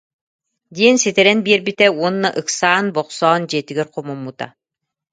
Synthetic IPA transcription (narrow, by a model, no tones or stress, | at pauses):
d̪iɛnsit̪ɛɾɛnbiɛɾbit̪ɛuɔnːaʔɯksaːnbɔqsɔːnd͡ʑiɛt̪iɡɛɾqɔmumːut̪a̰